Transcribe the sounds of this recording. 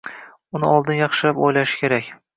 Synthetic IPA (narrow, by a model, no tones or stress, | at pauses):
ʊnɪɒlˠd̪ɪnjɑχʃɪlapojlaʃɪ̥kʲʰe̞ɾakʲ